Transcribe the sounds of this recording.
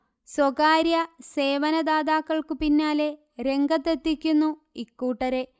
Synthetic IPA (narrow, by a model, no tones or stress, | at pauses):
swoɡaːɾjɐse̞ːʋɐnɐd̪aːd̪aːkːɐɭkɨpinːaːle̞ | ɾe̞ŋɡɐt̪ːet̪ːikʲːunːu | ikːuːʈːɐɾe̞